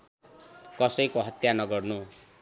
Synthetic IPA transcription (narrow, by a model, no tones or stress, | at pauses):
kʌsʌjkoɦʌt̪janʌɡʌrnu